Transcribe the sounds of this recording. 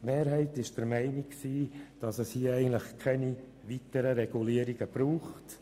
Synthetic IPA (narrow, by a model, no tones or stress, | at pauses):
tmeːɾɦɛɪtɪʃd̥əɾmɛɪniksiːd̥ɑsəshiːɛɪɡən̩t̪ləχkʰɛni | ʋitəɾəɾɛɡ̥uliːəɾiɡ̥əb̥ɾuːχt